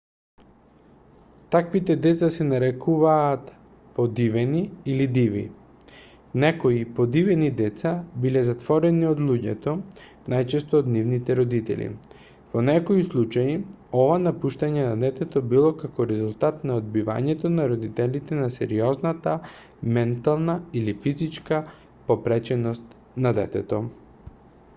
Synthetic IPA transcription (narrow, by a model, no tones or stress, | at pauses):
t̪akvit̪ɛd̪ɛt̪sasɛnaɾɛkuvaːt̪ | pod̪ivɛniːlid̪ivḭ | nɛkoipod̪ivɛnid̪ɛt̪sabilɛzat̪vɔɾɛniod̪lˠuɟɛ̰t̪ɔ | najt͡ʃɛst̪oːd̪nivnit̪ɛɾɔd̪it̪ɛ̰lḭ | vonɛkoislˠut͡ʃai | ɔvanapuʃt̪aɲɛnad̪ɛt̪ɛt̪obilˠɔkakɔɾɛzulˠt̪at̪naod̪biva̰ɲɛt̪onaɾɔd̪it̪ɛlit̪ɛnasɛɾiɔznat̪a | mɛnt̪alˠnailifizit͡ʃka | popɾɛt͡ʃɛnɔst̪ | nad̪ɛt̪ɛt̪o